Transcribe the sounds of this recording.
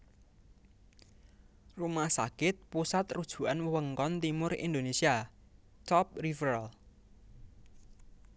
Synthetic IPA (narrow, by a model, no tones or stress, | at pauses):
rumahsa̰kɪt̪̚pusat̪rud̥ʒ̥ṳʔanwəwəŋkɔnt̪imʊrḭnd̪onesia | t͡ʃɔp̚rifəɾl